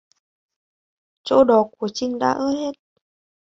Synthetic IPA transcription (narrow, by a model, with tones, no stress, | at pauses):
t͡ɕo̰˧˥ɗɔ˨˩˦ku˧˩ət͡ɕï˧ŋ̟ɗa̰ː˧˥ʔəː˧˦he˦˥t̚